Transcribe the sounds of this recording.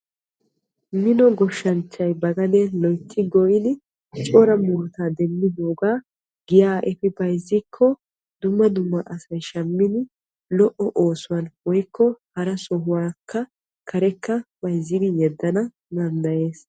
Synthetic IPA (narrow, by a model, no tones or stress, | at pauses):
mɪnɔɡɔʃːɐnt͡ʃːɐjbɐɡɐnɛlɔjt̪ʰːɪɡɔʔɪnɪ | t͡ʃʼoɾɐmʊɾt̪aːd̪ɛmːɪd̪oːɡaː | ɡɪjaːʔɛfɪbɐjzːɪkʰːɔ | d̪ʊmːɐd̪ʊmːɐʔɐsɐjʃɐmːɪnɪ | lɔʔːɔʔo̞ːsʊwɐnwɔjkʰːɔhɐɾɐsɔɦʊwaːkːɐ | kʰɐɾɛkːɐb̥ɐjzːɪd̪ɪjɛd̪ːɐnɐ | nɐnd̪ɐje̞ːs